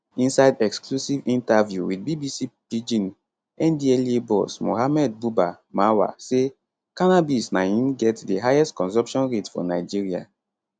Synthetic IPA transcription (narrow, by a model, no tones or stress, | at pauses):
ĩnsaɪdɛksklusivĩntavjuwidbibisipid͡ʒĩn | ɛ̃ndiɛlebɔsmo̰ɦamɛd̚buba | mawa̰se | kanabisnaĩnɡɛtdeɦajɛstkɔ̃nsɔ̃pʃɔ̃nɹetfɔ̰naɪd͡ʒiɹia̰